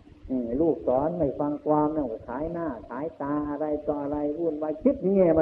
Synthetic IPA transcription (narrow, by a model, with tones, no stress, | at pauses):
ʔɯː˧˩luː˧˩k̚sɔː˨˦nda˧˩jfa˧ŋkwaː˧mna˧˩wka˧˩kʰaː˩˦jnaː˧˥˩kʰaː˨˦jt̪aː˧ʔa˧ɾa˧jt̪ɔ˧ʔa˧ɾa˧jbuː˧˩˨nwaː˧kʰi˦˥t̪̚ni˧ŋɛː˧˩ma˧